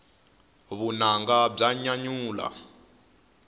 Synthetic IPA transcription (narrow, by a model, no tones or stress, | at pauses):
βunaŋɡab͡ʐaɲaɲuːla̰